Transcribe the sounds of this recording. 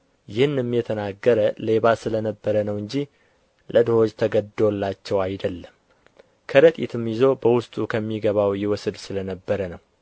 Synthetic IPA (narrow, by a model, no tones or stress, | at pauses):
jɪhɨnɛmːjɛt̪ʰənaɡːəɾəleβasɨlənəbːəɾənəwɨɲd͡ʒi | lʔəd̪hod͡ʒt̪ʰəɡəd̪ːolːat͡ʃːɛwajd̪əlːəm | kʰəɾət̪ʼit̪ʰɨmjɪzo̞bəwʊst̪ʼukʰəmːiɡəβawjɪwɔsɨd̪sɨlənəbːəɾənəw